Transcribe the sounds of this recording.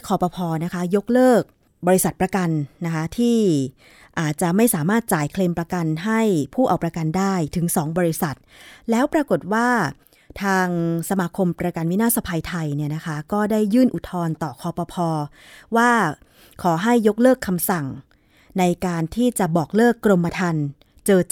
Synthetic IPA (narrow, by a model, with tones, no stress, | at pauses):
kʰɔː˧pɔː˧pʰɔː˧na˦˥kʰa˦˥jo˦˥k̚lɤː˥˩k̚ | bɔː˧ɾi˦˥sa˨˩t̪̚p̚ɾa˧ka˧nːna˦˥kʰa˦˥t̪ʰiː˥˩ | ʔaː˨˩t̪̚t͡ɕa˨˩ma˥˩jsaː˩˦maː˥˩t̪̚t͡ɕaː˨˩˦jkʰleː˧mpɾa˧ka˧nɦa˥˩jpʰuː˥˩ʔa˨˧wpɾa˧ka˧ndaː˥˩jt̪ʰɯ˩˦ŋsɔː˩˦ŋbɔː˧ɾi˦˥sa˨˩t̪̚lɛː˦˥wpɾa˧ko˨˩t̪̚waː˥˩ | t̪ʰaː˧ŋsa˧maː˧kʰo˧mpɾa˧ka˧nwi˦˥naː˥˩sa˧pʰa˧jt̪ʰa˧jni˥˩ɐna˦˥kʰa˦˥kɔː˥˩daː˥˩jːɯː˥˩nʔu˨˩t̪ʰɔː˧nt̪ɔː˨˩kʰɔː˧pɔː˧pʰɔː˧ | waː˥˩ | kʰɔː˩˦ɦa˥˩jːo˦˥k̚lɤː˥˩kʰːa˧msa˨˩ŋ | na˧jkaː˧nt̪ʰiː˥˩t͡ɕa˨˩bɔː˨˩k̚lɤː˥˩kːɾo˧mːa˧t̪ʰa˧n | t͡ɕɤː˧